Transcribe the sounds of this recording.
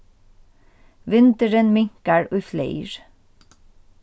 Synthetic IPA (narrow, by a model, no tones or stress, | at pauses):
ʋɪnt̪əɹənmɪŋkəɹʉːflḛɪɹ